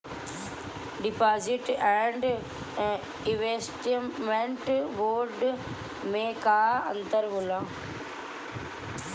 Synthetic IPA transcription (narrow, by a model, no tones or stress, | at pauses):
ɖɪpaːzɪʈɛ̃ɳɖ | ɪ̃ʋesʈmẽɳʈʋoːɾɖ | mẽkaːɐ̰̃nt̪əɾɦʊlãː